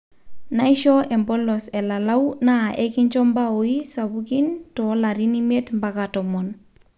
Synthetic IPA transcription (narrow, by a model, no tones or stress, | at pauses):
naiʃɔʔɛmbɔlːɔsɛlalawnaʔekiɲt͡ʃɔmbaoisabukintɔlaɾinimetmbakatɔmɔn